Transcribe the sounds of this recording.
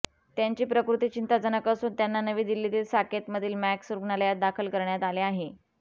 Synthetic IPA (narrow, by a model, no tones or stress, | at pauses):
t̪jaɲt͡ɕiːpɾəkɾut̪iːt͡ɕint̪ad͡zənəkəsuːnt̪janːanəʋiːd̪ilːit̪iːlsaket̪məd̪ʱiːlmæksuɾɡnaləjat̪̚d̪akʰəlkəɾɳjat̪aleaɦe